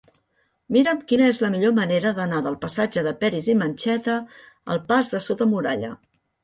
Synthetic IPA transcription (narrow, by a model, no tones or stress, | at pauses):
miɾəmkinəezləmiʎoməneɾəðənaðəlˠpəsad͡ʒəðəpɛɾizimənʲt͡ʃɛt̪ə | ə̰lˠpazðəsot̪əmuɾa̰ʎə̰